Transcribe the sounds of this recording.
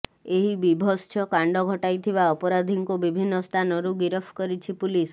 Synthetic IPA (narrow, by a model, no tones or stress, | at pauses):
eɦibibʱɔst͡ʃʰɔkaɳɖɔɡʱɔʈajt̪ʰiβaɔpɔɾad̪ʱiŋkobibʱinːɔst̪ʰanɔɾuɡiɾɔpʰkɔɾit͡ʃʰipulis